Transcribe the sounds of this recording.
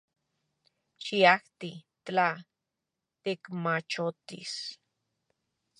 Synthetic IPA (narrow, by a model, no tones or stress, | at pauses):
t͡ʃiaht̪i | t͡ɬa | t̪ekmat͡ʃot̪ḭs